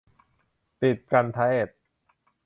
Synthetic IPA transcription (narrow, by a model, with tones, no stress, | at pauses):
t̪i˨˩t̪̚ka˧nt̪ʰa˦˥e˨˩t̪̚